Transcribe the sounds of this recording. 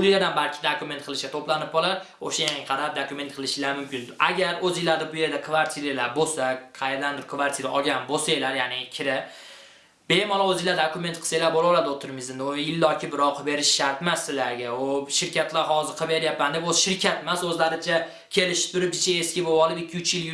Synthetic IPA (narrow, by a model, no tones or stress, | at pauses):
ʊɪlad̪anbaɾkʲʰɪd̪okʊme̞nt̪̚qʰɨlˠɪʃɡʲat̪ʰoplanɪp̚bɒlˠaɾ | oʃajaŋʲqʰɑɾap̚d̪okʊme̞nt̪̚qʰɨlˠɪʃɪlaɾmʊmkʲɪnaɡʲaɾɵzɪlaɾd̪abʊje̞ɾd̪akʰvaɾt̪ʰiɾelaɾbosaqʰɑjeɾɪd̪and̪ɪɾkʰvaɾt̪ʰiɾaʔɒɡʲanbosajlaɾjaːnɪkʲʰɪɾɪ | bemɒlˠaozɪlːaɾd̪okʊmet̪qʰɨ̥sajlaɾbolˠalaɾd̪ot̪ʰɪɾɪmɪzɪnd̪ɪojɪlːɒkʲʰɪbɪɾɒqʰɨbe̞ɾɪʃʃaɾt̪masɪlaɾɡʲaʊʃɪɾkʲat̪laɾɦɒzɪɾqʰɨbeɾjapːand̪eoʃɪɾkʲʰat̪masɵzlaɾɪt͡ʃʰa | kʲʰe̞lɪʃɪ̥p̚t̪ʰʊɾɪp̚d͡ʒɪt͡ʃʰaeskʲɪbobɒlˠɪb̪ɪkʲʰːɪʊt͡ʃjɪl